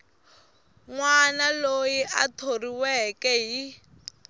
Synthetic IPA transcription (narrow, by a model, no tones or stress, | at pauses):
ŋwanalojiʔatʰoriwɛkɛɦi